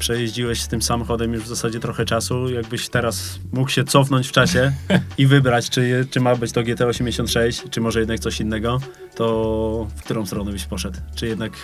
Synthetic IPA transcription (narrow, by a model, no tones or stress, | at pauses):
pʂɛjeʑd͡ʑiwɛɕst̪ɘmsamɔxɔd̪ɛmjuʐvzasad͡ʑɛt̪ɾɔxɛt͡ʂasujaɡ̚bɘɕt̪ɛɾas | mukɕɛt̪sɔfnɔɲt͡ɕft͡ʂaɕɛivɘbɾat͡ɕt͡ʂɘt͡ʂɘmabɘt͡ɕt̪ɔɡʲjɛt̪ɛɔɕɛmʲd͡ʑeɕɔnt̪ʂɛɕt͡ɕt͡ʂɘmɔʐɛjɛd̪nak̚t̪sɔɕinːɛɡɔ | t̪ɔfk̚t̪uɾɔ̃w̃st̪ɾɔnɛbɘɕpɔʂɛt̪wt͡ʂɘjɛd̪nak